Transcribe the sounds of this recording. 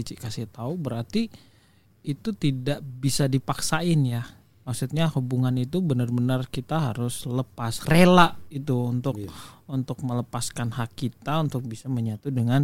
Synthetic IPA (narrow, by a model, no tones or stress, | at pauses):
it͡ʃɪʔkasɪht̪aubəɾart̪iː | t̪ut̪idaʔbisadipaksaɪnja | maksut̪̚ɲahubuŋanit̪ubənərbənərkit̪aɦa̰ɾʊsləpasrelaʔit̪uunt̪ʊk̚unt̪ʊk̚mələpaskanhakːit̪aunt̪ʊk̚bisaməɲat̪udəŋan